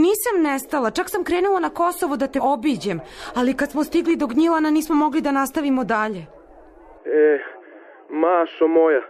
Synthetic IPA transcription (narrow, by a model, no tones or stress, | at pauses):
niːsamnɛst̪alˠat͡ʃaksamkɾeːnulˠanakosoʋod̪at̪eʔobid͡ʑemalikat̪smost̪iɡlid̪oɡɲilˠananiːsmomo̞ɡlid̪anast̪aʋimod̪aʎe | e | maːʃomoja